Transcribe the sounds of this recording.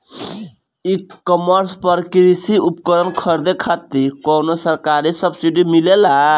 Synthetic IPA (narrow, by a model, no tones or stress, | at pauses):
ikːəməɾspəɾkɾisiup̚kəɾənkʰəɾd̪ekʰat̪ikɔːnosəɾkaɾisəbsiɖimilela